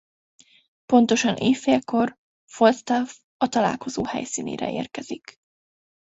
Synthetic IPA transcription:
po̞nt̪o̞ʃɒnʔeːfːeɛko̞r | folt̪st̪av | ɒt̪ɒla̰ːlko̞zoːhɛ̰jsiːnḛːɾɛ̰ʔḛːrkɛz̥ik

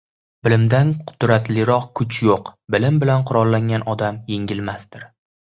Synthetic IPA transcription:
b̥ɪlɪmd̪anqʰʊ̥d̪ɾat̪lɪɾɒqkʰʊt͡ʃjoqbɪlɪmbɪlanqʰʊɾɒlˠːaŋɡʲanɒd̪amjeŋʲɪlmasd̪ɪɾ

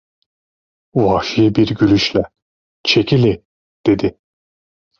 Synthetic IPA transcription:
vɑːʃijɯbiɾɟylʲyʃlʲɛ | t͡ʃʰecʰilʲi | d̪̥e̞d̪i

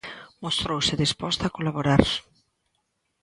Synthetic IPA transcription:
most̪ɾowsɪðispɔst̪akolaβoɾaɾ

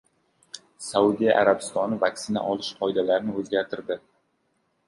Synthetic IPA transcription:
sawud̪ija̰ʔaɾabɪ̥st̪ɒnɪvakʲsɪna̰ʔɒlɪʃqʰɒɪd̪alaɾɪnɪɵzɡʲaɾt̪ʰɪɾd̪ɪ

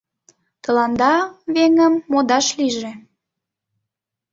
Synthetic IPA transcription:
t̪ə̆lɑnd̪ɑβeŋəmːod̪ɑʃliʒe

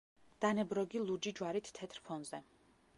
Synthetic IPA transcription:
d̪̥anɛbɾɔɡilˠud͡ʒid͡ʒwaɾit̪ʰt̪ʰːɛt̪ʰɾpʰɔnzɛ

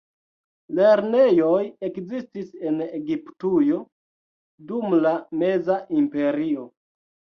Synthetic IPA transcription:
le̞ɾne̞jo̞je̞kzistise̞neɡiptujo̞ | dumlame̞zaʔimpe̞ɾio̞

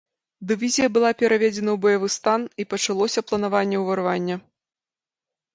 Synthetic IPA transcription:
d̪ɨvʲizʲijɐbɨlˠapʲɛɾavʲed͡zʲɛnɐwbɐjavɨst̪anipɐt͡ʂalˠɔsʲɐplˠɐnavanʲːɛwvɐrvanʲːɐ

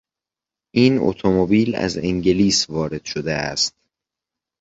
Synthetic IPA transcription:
ʔiːno̰t̪ʰomobiːlæ̰zeŋɟeliːsvɒːɾe̞d̪̥ʃod̪eæ̰st̪̚

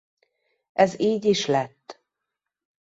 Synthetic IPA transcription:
ʔɛziːɟiʃlɛt̪ː

